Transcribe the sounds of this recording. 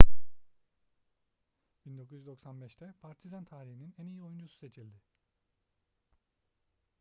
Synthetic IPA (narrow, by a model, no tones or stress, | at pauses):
b̥ind̪o̞kʰuzyd̪o̞ksanbɛʃt̪ʰɛpʰaɾt̪ʰizant̪ʰaːɾihininænijio̞jund͡ʒususe̞t͡ʃʰilʲd̪ɪ